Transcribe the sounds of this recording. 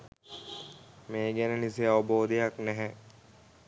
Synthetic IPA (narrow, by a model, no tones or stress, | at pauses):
meːɡænenis̬ejaʋɐboːd̪ijaknɛɦɛ